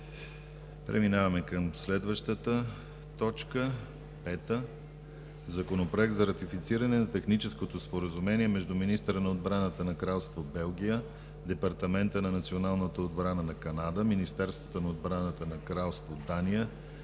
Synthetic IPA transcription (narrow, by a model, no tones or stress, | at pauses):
pɾɛ̰minavɐmɛkəmslɛd̪vəʃt̪ət̪ə | t̪ɔt͡ʃkə | pɛt̪ə | zɐkonopɾoɛk̚t̪zɐɾɐt̪ifit̪siɾənɛnɐt̪ɛxnit͡ʃɛskot̪ospoɾəzumɛniɛmɛʒd̪uminist̪əɾənɐod̪̚bɾanət̪ənɐkɾalˠst̪vobɛlˠɡʲijə | d̪ɛpɐɾt̪ɐmɛnt̪ənɐnɐt̪sionalˠnət̪əod̪bɾanənɐkɐnad̪əminist̪ɛɾst̪vot̪onɐod̪bɾanət̪ənɐkɾalˠst̪vod̪anijə